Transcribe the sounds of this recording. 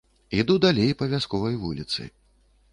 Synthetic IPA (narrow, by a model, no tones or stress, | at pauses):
id̪ud̪alʲejpɐvʲaskɔvɐjvṵlʲit̪sɨ̰j